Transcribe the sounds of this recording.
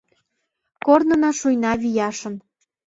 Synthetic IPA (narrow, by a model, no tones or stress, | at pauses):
kornɤ̆nɑʃujnɑβijɑʃə̆n